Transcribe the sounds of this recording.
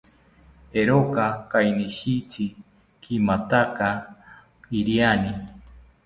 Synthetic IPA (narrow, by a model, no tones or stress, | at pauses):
eɾokakajniʃit͡si | kʰimat̪aka | iɾiani